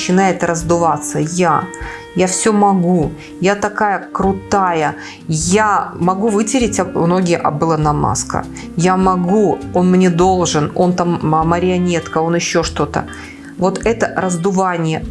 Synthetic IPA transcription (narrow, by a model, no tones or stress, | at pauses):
t͡ɕːɪnajɪt̪rəzd̪ʊvat̪səja | jafsʲomɐɡu | jat̪ɐkajəkɾʊt̪ajə | jamɐɡuvɨtʲɪɾʲɪtʲɐmno̞ɡʲɪjʔɐ̰bɨlˠənɐma̰skə̰ | jamɐɡuo̞nmnʲe̞d̪o̞lˠʐɨno̞nt̪amməɾʲɪɐnʲet̪kəo̞nɪɕːo̞ʂt̪o̞t̪ə̰ | vo̞t̪ɛt̪əɾəzd̪ʊvanʲɪjə